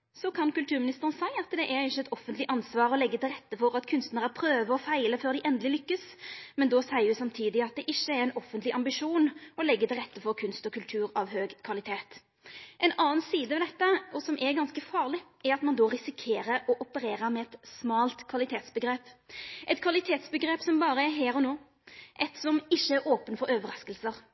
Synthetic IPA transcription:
sɔkʰɑnkʉlt̪ʰʉːʁmɪnɪst̪əʁənsæɪɑt̪d̪ɛʔɛɾɪçːəɛt̪ɔfːənt̪lɪʔɑnsʋɑːʁɔlɛɡːət̪ɪlʁɛt̪ːəfɔɾɑt̪kʰʉnst̪nəʁæpʰɾøːʋəʁɔfæɪləføːɾd̪ɪʔɛnd̪əlɪlʏkːəsmɛnd̪osæɪjʉsɑmt̪ʰiːd̪ɪɑt̪̚d̪ɛʔɪʃːəɛɾɛɪnɔfːənt̪lɪʔɑmbɪʂuːnɔlɛɡːət̪ɪlʁɛt̪ːəfɔʁkʰʉnst̪ɔkʉlt̪ʰʉːɾɑʋhøːɡkʰʋɑlɪt̪ʰeːt̪ | ʔɛnɑːnsiːd̪əʋɛd̪ɛt̪ːəɔsɔmʔɛɾɡɑnskəfɑːʁlɪʔɛɾɑt̪mɑnd̪ɔʁɪsɪkʰeːɾəɾɔʔɔpəɾeːɾəɾmɛɛt̪smɑːlt̪kʰʋɑlɪt̪ʰeːt̪sbəɡɾeːpʔɛt̪kʰʋɑlɪt̪ʰeːt̪sbəɡɾeːpsɔmbɑːɾəɛɦeːɾɔnoː | ʔɛt̪sɔmɪʃːəæɾʔoːpənfɔɾøːʋəɾɑskəlsəʁ

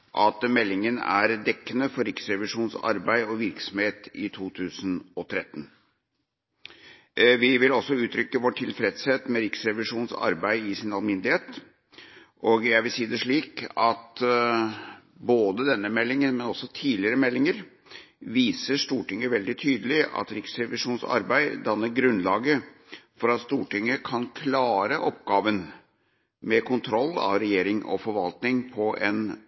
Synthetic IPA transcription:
ʔɑt̪mɛlːɪŋənæ̰ɾd̪ɛkːənəfɔɾɪksɾɛʋɪʂuːnsɑ̰ɾbæɪɔʋɪɾksɔmheːt̪ɪt̪ʰuːt̪ʰʉːsənɔt̪ʰɾɛt̪ːən | ʋɪʋɪlɔsɔʉːt̪ʰɾʏkːəʋɔʈʰːɪlfɾɛd̪sheːt̪mɛɾɪksɾɛʋɪʂuːnsɑ̰ɾbæɪɪsɪnɑlmɪnd̪ɪheːt̪ | ʔoːɡjæɪʋɪlsiːd̪ɛʂɭiːkɑt̪ | boːd̪əd̪ɛnːəmɛlːɪŋənmɛnɔsːɔt̪ʰiːlɪəɾəmɛlːɪŋəɾ | ʋiːsəʂt̪uːʈɪŋːəʋɛld̪ɪt̪ʰyːd̪əlɪʔɑ̰t̪ɾɪksɾɛʋɪʂuːnsɑ̰ɾbæɪd̪ɑnːəɾɡɾʉnlɑːɡə | fɔɾɑt̪st̪uːʈɪŋːəkʰɑnkʰlɑːɾəʔɔp̚ɡɑːʋən | mɛkʰʊnt̪ʰɾɔlːɑ̰ʋɾɛjeːɾɪŋʔɔ̰fɔɾʋɑlt̪nɪŋpʰɔʔɛn

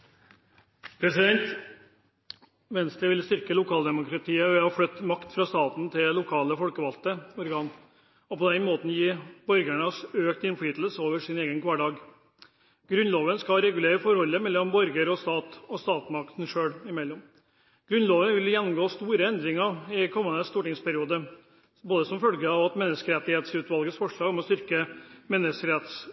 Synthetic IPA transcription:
pʰɾɛsɪd̪ɛnt̪ | ʋɛnst̪ɾəʋɪlst̪ʏɾkəlʊkʰɑːld̪ɛmʊkɾɑt̪ʰiːəʋɛhɑflœt̪ːmɑkt̪fɾɑst̪ɑːt̪n̩t̪ʰɪlʊkʰɑːləfɔlkəʋɑlt̪əɔɾɡɑːn | ɔpɔd̪ɛnmoːt̪n̩jiːbɔɾɡæɳəsøːkt̪ɪnfɔiːt̪l̩soːʋəʂɪneːɡənkʰʋɑːɖɑːɡ | ɡɾʉnloːʋənskɑɾɛɡʉleːɾəfɔɾhɔlːəmɛlːɔmbɔɾɡəɾɔst̪ɑːt̪ɔst̪ɑːt̪mɑkt̪n̩ʂøːɽɪmɛlːɔm | ɡ̥ɾʉnloːʋənʋɪljɛnːʊmɡoːst̪uːɾəɛnd̪ɾɪŋəɪkʰɔmːənəst̪uːʈɪŋspʰæɾɪuːd̪ə | boːd̪əsɔmfœlɡəɑʋɑt̪mɛnːəskəɾɛt̪ːɪheːt̪sʉːt̪ʋɑlɡəsfɔʂɭɑːɡɔmɔst̪ʏɾkəmɛnːəskəɾɛt̪s

